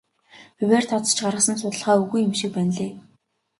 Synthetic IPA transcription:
pɵwʲæːrt̪ʰɔt͡s̪ə̥̆t͡ɕɢarʁə̆sə̆nsʊt̪ə̆ɮχaːuɣujʊmʃĭk̚pænɮeː

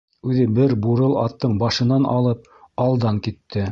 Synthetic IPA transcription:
ʉðɘbɘɾbuɾɤlˠɑ̰t̪ːɤɴbɑʃɤ̆nɑnʔɑ̰lˠɤp̚ | ɑlˠd̪ɑŋkit̪ʰːɘ

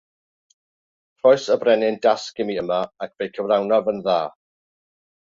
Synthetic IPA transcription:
rɔɨsəbrɛnɪndaskɪmiəmaak̚ʰb̥ejkʰəvlˠawnavənðaː

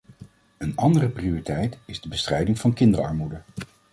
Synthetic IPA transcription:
ənɑndərəprioritɛjtɪzdəbəstrɛjdɪŋvɑnkɪndərɑ̰ɹmudə

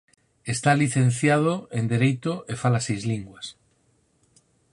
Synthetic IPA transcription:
e̞st̪aliθe̞n̟θjað̞oend̪eɾejt̪oʔefalasejzliŋɡwas

